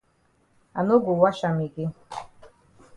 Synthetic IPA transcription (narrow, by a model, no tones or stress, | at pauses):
anuɡuwaʃamiɡʲi